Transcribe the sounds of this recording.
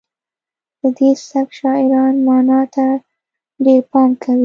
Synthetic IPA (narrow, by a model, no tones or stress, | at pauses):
d̪̥əd̪esabʃɑɪɾɑnmɑnɑt̪a | ɖeɾpɑmkʰawi